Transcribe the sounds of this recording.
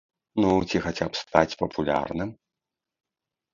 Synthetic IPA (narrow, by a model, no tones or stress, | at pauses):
nut͡sʲixat͡sʲapst̪at͡sʲpɐpʰulʲa̰rnɨm